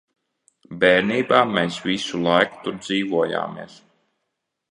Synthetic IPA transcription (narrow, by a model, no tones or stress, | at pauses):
bɛːɾniːbaːmɛːsvisulˠajku̥t̪uɾd̪ziːvuɔja̰ːmḭɛs